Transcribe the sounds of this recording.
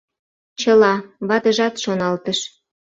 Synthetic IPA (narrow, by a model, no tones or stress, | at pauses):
t͡ɕəlɑβɑt̪əʒɑt̪ʃonɑlt̪əʃ